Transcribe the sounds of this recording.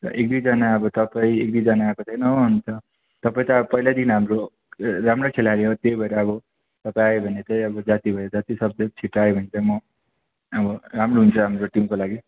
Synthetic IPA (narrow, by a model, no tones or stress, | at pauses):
t̪ʌ̰ʔek̚d̪ujd͡zʌnaʌbʌt̪ʌpaĩek̚d̪uid͡zʌnaːkot͡sʰʌnʌɦunt̪ʌ | t̪ʌpaĩt̪ʌʌpʌjlad̪inɦamɾo | ɾamrokʰelaleɦot̪jojbʱʌeɾeʌbʌ | t̪ʌpãj̃aebʱʌnet̪ʌjʌbʌd͡zat̪ibʱʌjod͡zat̪isʌb̚d̪ʌt͡sʰiʈaebʱʌnet̪ʌmʌ | ʌbʌɾamroɦunt͡sʰʌɦamroʈimkolaɡi